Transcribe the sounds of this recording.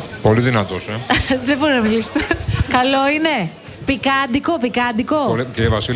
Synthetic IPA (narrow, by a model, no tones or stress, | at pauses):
po̞liðinɐt̪oseðebo̞ɾinɐmilise̥t̪ekɐlo̞ine̞ | pikɐnd̪iko̞pikɐnd̪iko̞oliceivɐsi